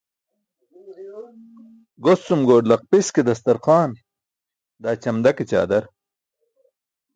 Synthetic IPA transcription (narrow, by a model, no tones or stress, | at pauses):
ɡosumɡoːɖlɐq̚pisked̪ɐst̪ɐɾqaːn | d̪aːt͡ɕɐmd̪ɐket͡ɕa̰ːd̪ɐɾ